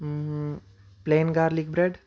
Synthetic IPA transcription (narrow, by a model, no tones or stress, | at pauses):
pleːnɡaːɾlik̚bɾeɖ